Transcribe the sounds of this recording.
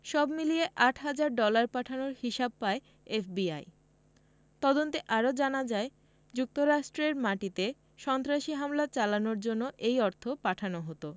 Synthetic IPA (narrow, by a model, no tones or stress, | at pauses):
ʃɔbmilieʔaʈʰɦad͡ʑaɾɖɔlaɾpaʈʰanoɾhiʃab̚pae | efbia̰j | t̪ɔd̪ont̪eʔaɾod͡ʑanad͡ʑae | d͡ʑuk̚t̪oɾaʃʈɾeɾmaʈit̪e | ʃɔnt̪ɾaʃiɦamlat͡ɕalanoɾd͡ʑonːoʔejɔɾt̪ʰopaʈʰanoɦot̪o